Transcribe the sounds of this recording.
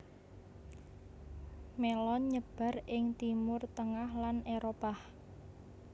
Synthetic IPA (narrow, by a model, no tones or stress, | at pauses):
melɔɲəb̥a̤rʔɪŋt̪imʊrt̪əŋahlaneɾopah